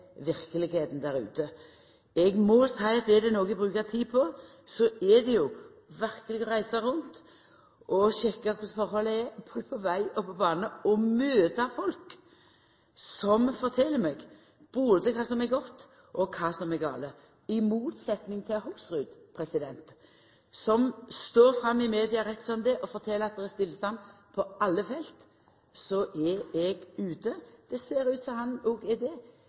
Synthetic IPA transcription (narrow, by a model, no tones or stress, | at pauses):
ʋɪɾkəlɪɡheːt̪n̩d̪æɾʉ̰ːt̪ə | ɛɡmɔsæɪɑt̪̚d̪ɛd̪ɛnoːɡəbɾʉːkət̪ʰiːpʰɔ | sɔɛd̪ɛjʊ | ʋæɾkəlɪɡɔɾæɪsəɾʊnt̪ | ʔɔɕɛkːəkʰʊsfɔɾhɔlːəɛɾpʰɔpʰɔʋæɪɔpʰɔbɑːnəɔmøːt̪ɑfɔlk | sɔmfɔɾt̪ʰɛlːəɾmɛɡ | b̥oːd̪əkʰɑːsɔmɛɾɡɔt̪ː | ʔɔkʰɑːsɔmɛɡɑ̰ːlə | ɪmuːt̪sɛt̪nɪŋt̪ʰɪlhuːsɾʉːd̪pʰɾɛsɪd̪ɛnt̪ | sɔmst̪oːɾfɾɑmːɪmeːd̪ɪɑɾɛt̪ːsɔmd̪ɛʔɔfɔɾt̪ʰɛləɾɑt̪̚d̪ɛɾɛst̪ɪlːst̪ɑn | pʰɔɑlːəfɛlt̪ | sɔʔɛɛɡʉːt̪əd̪̥ɛseːɾʉːt̪sɔmhɑnoːɡɛd̪ɛ